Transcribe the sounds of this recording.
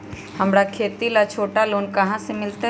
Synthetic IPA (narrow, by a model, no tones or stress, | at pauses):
hɐmɾakʰeːt̪ilat͡ʃʰoːʈaloːnkɐɦãsemɪlt̪e